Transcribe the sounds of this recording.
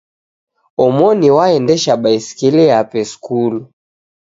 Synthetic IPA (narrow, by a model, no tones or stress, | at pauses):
ɔmɔniwaɛndɛʃaɓaiskilɛapɛskulu